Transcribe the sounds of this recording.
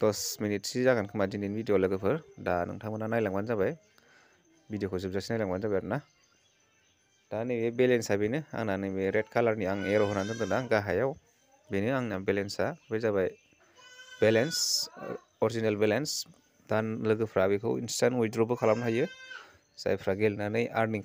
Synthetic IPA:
d̥ɔsminitsizaɡankʰɯmadininbidiolɯɡɯpʰɯɾdanɯ̰ŋtʰaŋbɯnanajlaŋbanzabaj | bidijokʰɯzɯp̚zasinajlaŋbanzabajaɾ̚na | d̥anɯjbebelensajbejnɯa̰ŋnanɯjbeɾetkʰalaɾniaŋeɾɔwɦɔnanzandɯnaɡaɦajaw | benɯaŋnabelensabejzabaj | belens | ɔɾzinelbelens | danlɯɡɯpʰɾabikʰɯwḭnstanujdɾubɯkʰalapnaɦajɯ | sa̰jpʰɾaɡelnanɯjʔa̰ɾni

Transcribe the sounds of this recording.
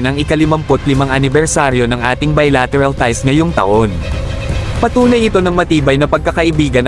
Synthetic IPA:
nɐŋɪkɐlɪmɐmpot̪lɪmaŋɐnɪbɛɹsaɾjo̞nɐŋʔa̰ːt̪ɪŋbɐjlat̪ɛɾɐlt̪ajsŋɐjo̞ŋt̪ɐ̰ʔo̞n | pɐt̪uːnɐjɪt̪o̞nɐŋmɐt̪iːbɐjnɐpɐɡ̚kɐkɐʔɪbiːɡɐn

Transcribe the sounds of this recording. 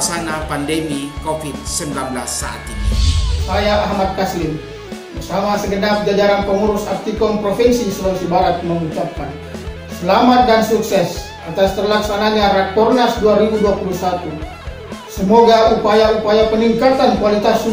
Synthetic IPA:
ksanapandemikofid̪̚səmbilanbəla̰sːa̰a̰t̪inisajaʔaɦmat̪̚kaslɪm | bərsamasəɡənap̚d͡ʒad͡ʒaɾanpəŋuɾʊsaft̪ikɔmpɾofɛnsisəlɔŋsibaɾat̪̚məŋut͡ʃap̚kan | səlamat̪̚dansuksɛs | at̪ast̪ərlaksanaɲaɾat̪̚kɔrnasduaɾibuduapulusat̪u | səmoɡaupajaupajapəniŋkat̪ankwalit̪asu

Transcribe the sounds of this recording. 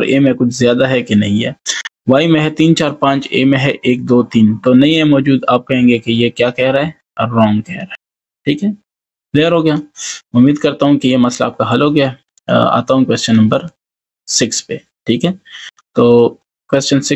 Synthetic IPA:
ɔɾḛːmɛ̃kʊt͡ʃʰzjaːd̪aɦɛkenɐɦĩɦɛ̰ː | ʋaːimẽɦɛt̪iːnt͡ʃaːɾpãːɲt͡ʃḛːmẽɦɛʔeːk̚d̪oːt̪iːnt̪oːnɐɦĩɦɛmɔːd͡ʒuːd̪aːp̚kɐɦẽːŋɡekejekjaːkɛɦɾaɦɛ | ɔːɾɾɔ̃ːŋɡkɛɦɾaɦɛ | ʈʰiːkɦɛ | leːəɾɦoːɡɐjaːʊmːiːd̪kɐɾt̪aɦũkijemɐsla̰aːp̚kaɦɐlɦoːɡɐjaɛ | a̰ːt̪aɦũkweːst͡ʃənːɐ̃mbəɾ | sɪkspe | ʈʰiːkɦɛː | t̪oː | kweːst͡ʃənsɪk

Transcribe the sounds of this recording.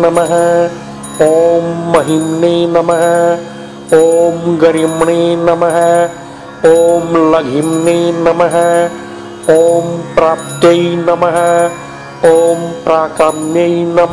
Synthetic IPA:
nɐmɐɦɐ | oːmːɐɦimnenɐmɐɦɐ | oːmɡɐɾimɳeːnɐmɐɦɐ | oːmlɐɡʱimneːnɐmɐɦɐ | oːmpɾaːp̚t̪jɐinɐmɐɦɐ | oːmpɾaːkamnɐinɐm

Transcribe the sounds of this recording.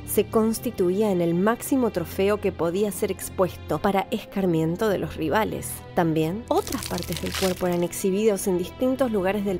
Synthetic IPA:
se̞ko̞nst̪it̪uiaene̞lmaksimot̪ɾo̞feo̞kepo̞ðiase̞ɾekspwe̞st̪opaɾaʔeskaɾmjẽ̞nt̪o̞ð̞e̞̰lo̞sriβalḛs | t̪ambje̞no̞t̪ɾaspaɾt̪ezðelkweɾpo̞eɾaneksiβ̞iðo̞se̞nd̪ist̪int̪o̞zluɣ̞aɾezðe

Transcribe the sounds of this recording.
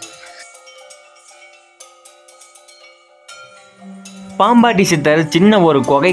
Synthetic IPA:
paːmbaːʈːisɪt̪ːɐɾt͡ʃɪnːɐɔɾɯkɔɣɐɪ

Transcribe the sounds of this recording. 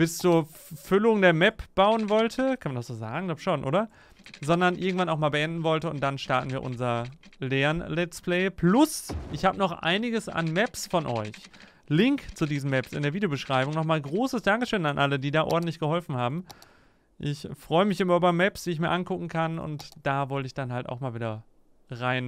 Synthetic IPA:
b̥ɪst͡suːɐfʏlʊŋdeːɐmɛpb̥aʊənvɔltʰəkʰanmandasz̥oːza̰ːɡŋ̩labʃoːnʔo̰ːdɐ | zɔndɐnʔɪ̰ɐɡŋ̩tv̥anaʊxmaːlbəʔɛndn̩vɔltəʊnt̚d̥anʃtaɐtn̩viːɐʔʊnzɐlɛːnlɛt͡splɛɪpʰlʊsʔɪçhaːbənɔχʔa̰ɪnɪɡəsa̰nmɛpsfɔnʔɔ̰ʏç | lɪŋkt͡sudiːzm̩mɛpsɪ̰ndeːɐviːdejobəʃʁ̥aɪbʊŋnɔχmaːlɡʁoːsəsd̥aŋkəʃøːnanʔalədiːdaːʔɔ̰ɐdn̩tlɪçɡ̥əhɔlfn̩haːbm̩ | ʔɪçfʁ̥ɔʏəmɪçʔɪmɐʔyːbɐmɛpsd̥iːɪçmiːɐʔankʊkŋ̩kʰanʊ̰ntd̥aːvɔltəɪçd̥anhalta̰ʊxmaːlviːdɐ | ʁaɪn

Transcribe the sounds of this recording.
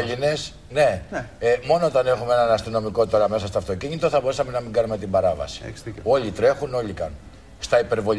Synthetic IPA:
ʎine̞s | ne̞ | mo̞no̞ot̪ɐne̞xumeenɐnɐst̪ino̞miko̞t̪o̞ɾɐme̞sɐst̪oːft̪o̞ciɲit̪o̞θɐbo̞ɾusɐme̞nɐmiŋɡɐnume̞t̪imbɐɾɐvɐ̰si̥o̞ʎit̪ɾe̞xuno̞ʎikɐn | st̪ɐipe̞ɾvo̞

